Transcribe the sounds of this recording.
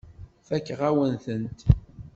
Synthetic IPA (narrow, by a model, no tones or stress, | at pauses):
θækːʁæwənθənt̪